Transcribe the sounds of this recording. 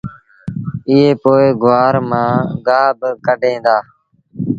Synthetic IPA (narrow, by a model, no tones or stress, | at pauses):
ɪɦeːpoːeːɡʊaːɾmãːɡaːbkəɖʱẽːd̪aː